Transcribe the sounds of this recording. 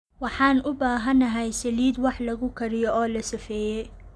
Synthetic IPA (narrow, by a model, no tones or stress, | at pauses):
wɑħɑːnʊbaːɦɐnɐɦɛjsɐliːd̪wɑħlɐɣʊkʰɐɾɪjɔɔːlɐsɪfɛːjɛj